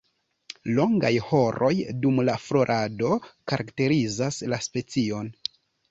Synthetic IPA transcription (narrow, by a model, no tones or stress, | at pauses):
lo̞ŋɡa̰jho̞ɾo̞jdumlaflo̞ɾʔado̞kaɾʔakte̞ɾizaslaspe̞t͡sio̞n